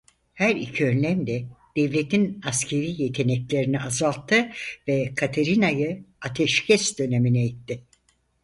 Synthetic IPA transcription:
hæɾḭcʰiønlʲæmd̪ɛd̪̥ɛvlʲet̪ʰinascʰe̞ɾiːjet̪ʰe̞nɛclʲeɾiniazalˠt̪ʰːɯvɛkʰat̪ʰeɾinajɯat̪ʰɛʃcʰɛsd̪ø̞neminɛjit̪ʰːɪ

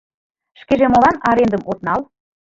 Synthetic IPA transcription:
ʃkeʒemolɑnɑɾend̪ə̆mot̪nɑl

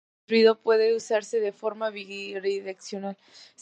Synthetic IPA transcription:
ɾwiðopwe̞ðe̞usaɾse̞ðe̞fo̞ɾmaβiɣiriiɾeksjo̞nal | s

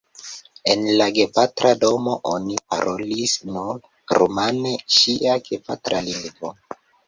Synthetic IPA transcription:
enlaɡepatɾado̞mo̞ʔonipa̰ɾʔolisnuɾ | ɾumaneʃiʔaɡepa̰tɾaliŋɡvo

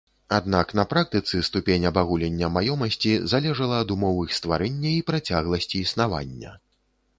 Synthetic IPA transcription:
ad̪naknɐpɾak̚t̪ɨt̪sɨst̪upʲenʲɐbaɣulʲɛnʲːɐmajɔmɐsʲt͡sʲizalʲɛʐɐlˠɐːd̪umɔwɨxst̪vaɾɛnʲːɐipɾat͡sʲaɣlˠɐsʲt͡sʲiːsnava̰nʲːɐ̰

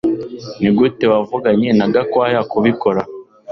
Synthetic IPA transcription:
niɡutewavuɡaɲenaɡakwajakuβikoɾa

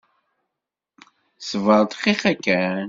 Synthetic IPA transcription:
səvəɾˤt̪qiqækːæ

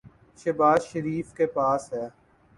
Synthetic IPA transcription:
ʃɐbaːzʃəɾiːfkepaːsɦɛː

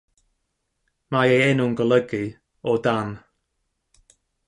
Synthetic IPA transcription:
majejɛnʊŋɡələɡi | ɔdan

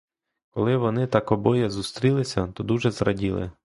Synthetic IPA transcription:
kɔlˠɪʋɔnɪt̪ɑkɔbɔjɛzust̪ɾʲilˠɪsʲɐt̪ɔd̪uʒɛzɾɐ̰dʲilˠɪ̰

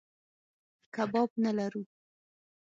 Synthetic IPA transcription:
kabɑb̚nalaɾu

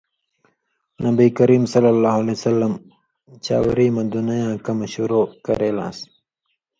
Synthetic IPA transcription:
nɐbiːkɐɾiːmsɐlːalːaːɦalesɐlːɐm | t͡ɕa̰ːwɾiːmad̪unajãːkamaɕuɾoːkɐɾeːlã̰ːs

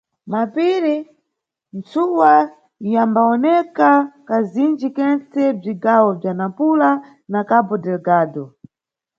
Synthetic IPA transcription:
mapiɾi | nt͡suwa | jambaɔnɛkakazind͡ʒikɛnt͡sɛb͡ʐiɡawɔb͡ʐanapula | nakabɔdɛlɡaːdɔ

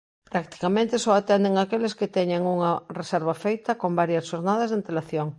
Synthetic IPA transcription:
pɾakt̪i̥kamẽnt̪esɔat̪ɛnd̪eŋakelesket̪ɛɲaŋuŋaresɛɾβafejt̪ɐkombaɾjɐsʃoɾnað̞ɐzðeant̪elaθjoŋ

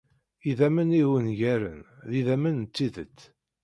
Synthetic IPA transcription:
iðæməniwənʝæɾə̰nðiðæmənt͡s̪ːiðət͡sː

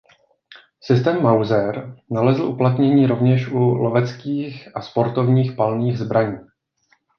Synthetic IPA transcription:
sɪst̪ɛːmːawzɛɾnalɛzl̩ʔuplat̪ɲɛɲiːɾo̞vɲɛʃʔulovɛt͡skiːxʔaspo̞ɾt̪o̞vɲiːxpalniːɣzbɾʔaɲiː

